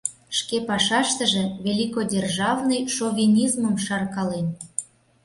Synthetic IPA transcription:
ʃkepɑʃɑʃt̪ə̆ʒĕvʲelʲikodʲerʒɑvnɤjʃovʲinʲizməmʃɑrkɑlen

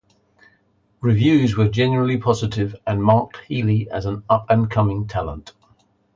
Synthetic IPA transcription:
ɹɪvjʉːzwəd͡ʒɛ̃nəɹəlipʰɒzɪtɪvə̃nmɑˑk̚thiːliəzə̃nʌpə̃nkʰʌmɪ̃ŋtʰalə̃nt

